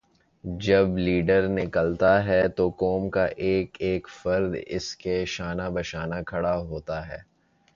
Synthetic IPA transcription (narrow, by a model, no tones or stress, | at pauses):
d͡ʒɐbliːɖəɾnɪkəlt̪aɦɛt̪okɔːmkaʔeːkeːkfɐɾd̪ɪ̰skeʃaːnabɐʃaːnakʰɐɽaɦoːt̪aɦɛ̰ː